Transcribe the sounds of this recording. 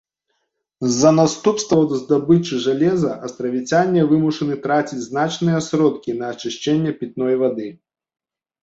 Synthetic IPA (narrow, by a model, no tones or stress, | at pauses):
zːɐnast̪upst̪vɐzd̪abɨt͡ʂɨʐalʲɛzɐʔɐst̪ɾɐvʲit͡sʲanʲːɛvɨmuʂɐnɨt̪ɾat͡sʲit͡sʲznat͡ʂnɨjɛsɾɔt̪kʲinɐːt͡ʂɨʂt͡ʃɛnʲːɛpʲit̪̚nɔjvad̪ɨ